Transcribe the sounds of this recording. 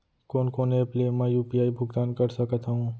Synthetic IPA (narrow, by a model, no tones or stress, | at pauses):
koːnkoːneːpleːmɛ̃ːjuːpiaːibʱʊɡt̪aːnkɐɾsəkət̪aɦũː